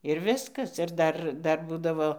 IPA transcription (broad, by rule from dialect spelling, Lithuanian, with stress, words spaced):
ɪr ˈʋʲɪskɐs ɪr ˈdɐr ˈdɐr ˈbuːdɐʋoː